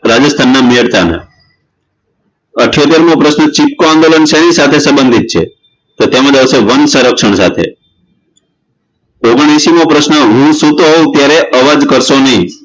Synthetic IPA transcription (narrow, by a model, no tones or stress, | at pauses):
ɾad͡ʒəst̪ʰanːamiɽt̪a̰na̰ | əʈʰjot̪̬eɾmõpɾəsnət͡ʃip̚koãnd̪olənsəjnisat̪ʰesəbənd̪ʱit̪̚t͡ʃʰḛ | t̪ot̪emãd͡ʒəʋseʋənsəɾəkʃəɳ̃sa̰t̪ʰḛ | oɡəɳ̃eʃimõpɾəsnəɦũsut̪oɦoũt̪jaɾeʔəʋad͡ʒkəɾʃonəɦĩ